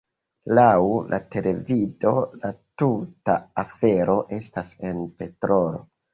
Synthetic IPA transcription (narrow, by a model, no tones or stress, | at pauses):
lawlʔa̰tʰe̞le̞vido̞latutaːfe̞ɾo̞ʔe̞stase̞npe̞tɾolo̞̰